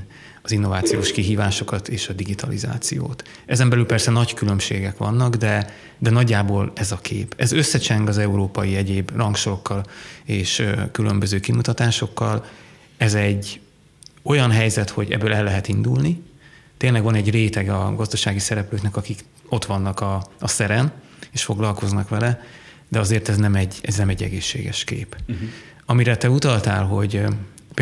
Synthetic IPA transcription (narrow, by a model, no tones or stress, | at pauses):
ɒzinːo̞vaːt̪sijoːʃkiɦiːvaːʃo̞kɒt̪eːʃɒd̪iɡit̪ʰɒlḭza̰ːt̪sijo̰ːt̪ | ɛzɛmbɛlylpɛrsɛnɒɟkylømʃḛːɡɛkʋɒ̰nːɒɡd̪ɛ | d̪ɛnɒɟːaːboːlɛzɒkʰḛːpɛzøsːɛt͡ʃɛŋɡɒzɛuɾoːpɒjiɛɟeːbrɒŋkʃoɾokːɒleːʃkylømbøzøːkimut̪ɒt̪aːʃo̞kːɒl | ɛzɛɟː | o̞jɒnɦɛjzɛt̪ho̞ɟɛ̰bːøːlɛlːɛɦɛt̪ind̪ulnit̪eːnlɛɡʋɒnɛɟreːt̪ɛɡɒɡɒzd̪ɒʃaːɡisɛɾɛpløːknɛkɒkik | o̞t̪ʋɒnːɒkɒɒsɛɾɛn | eːʃfo̞ɡlɒlko̞znɒkʋɛlɛ | d̪ɛɒzeːrt̪ɛznɛmɛɟɛznɛmɛɟːɛ̰ɡeːʃːḛːɡɛ̰ʃkḛːp | ɒmiɾɛt̪ɛut̪ɒlt̪a̰ːlɦo̞ɟ | p